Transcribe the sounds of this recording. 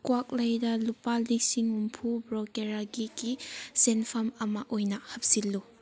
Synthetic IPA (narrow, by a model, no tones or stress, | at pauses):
kwak̚lɐjdɐlupalik̚siŋumpʰubɾɔkeɾaɡiɡisenpʰamɐmaʔojnɐhɐp̚silːu